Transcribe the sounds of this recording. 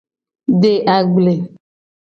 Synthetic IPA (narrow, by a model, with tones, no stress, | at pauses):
ɖe˦ʔa˨ɡ͡ble˨